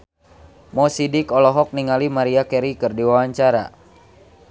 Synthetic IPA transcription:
mɔsidikɔlɔɦɔk̚niŋalimaɾiakɛɾikɨrdiwawaɲt͡ʃaɾa̰

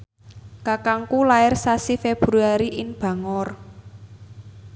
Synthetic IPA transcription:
kakaŋkulaɪrsasifeb̥ɾuaɾiʔɪnb̥a̤ŋɔr

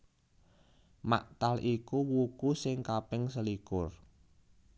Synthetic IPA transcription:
ma̰ʔt̪alʔikuwukusɪŋkapɪŋsəlikʊr

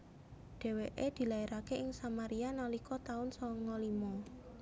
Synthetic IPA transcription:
ɖ̥ɛ̤weʔed̪̥i̤laiɾʔakeʔɪŋsamaɾianɔlikʰɔt̪aʊnsɔŋɔlimɔ

